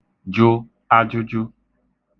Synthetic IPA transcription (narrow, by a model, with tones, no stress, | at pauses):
d͡ʒʊ˦ | a˦d͡ʒʊ˦d͡ʒʊ˦